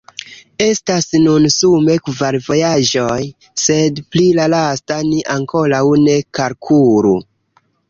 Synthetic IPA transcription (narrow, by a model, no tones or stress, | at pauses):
e̞stasnunsume̞kvaɾvo̞jad͡ʒoj | se̞dplilalastaniʔaŋko̞ɾawne̞kaɾkʰuɾṵ